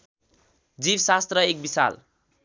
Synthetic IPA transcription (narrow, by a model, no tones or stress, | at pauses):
d͡zibsast̪rʌek̚bisa̰l